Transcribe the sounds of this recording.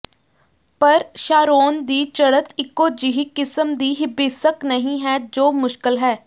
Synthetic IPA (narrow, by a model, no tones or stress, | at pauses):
pɐɾʃaːɾoːnd̪iːt͡ʃɐɽət̪ʰɪkːoːd͡ʒɪɦikɪsəmd̪iːɦɪbɪːsəknɐɦĩɦɛd͡ʒoːmʊʃkɪlɦɛː